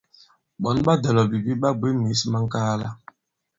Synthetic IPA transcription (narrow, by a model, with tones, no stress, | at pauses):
ɓɔ˨n˦ɓa˦dɛ˨lɔ˨bi˨bi˦ɓa˦ɡ͡be˦mi˨˦sma˦ŋ̩˦ka˦la˦